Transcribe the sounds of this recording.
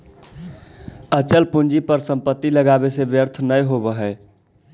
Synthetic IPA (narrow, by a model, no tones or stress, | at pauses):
ət͡ʃəlpund͡ʒipəɾsəmpət̪ːiləɡabesebjəɾt̪ʰnəjɦobəɦɛ